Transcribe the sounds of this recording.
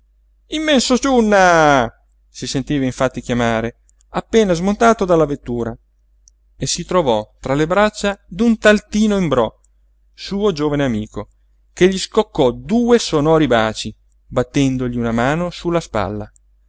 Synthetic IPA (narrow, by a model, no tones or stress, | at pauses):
imːɛnsot͡ʃunːa | sisent̪iːvaiɱfat̪ːikjamaːɾe | apːeːnazmont̪aːt̪od̪alːavet̪ːuːɾa | esit̪ɾovɔt̪ɾalebɾat͡ʃːad̪unt̪alt̪iːnoimbɾɔ | suːod͡ʒoːvaneamiːko | keʎːiskokːɔd̪uːesonɔːɾibaːt͡ʃi | bat̪ːɛnd̪oʎiunamaːnosulːaspa̰lːa̰